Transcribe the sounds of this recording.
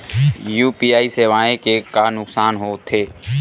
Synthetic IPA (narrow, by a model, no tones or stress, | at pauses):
juːpiːaːiseːʋaːẽkekanʊksaːnɦoːt̪ʰeː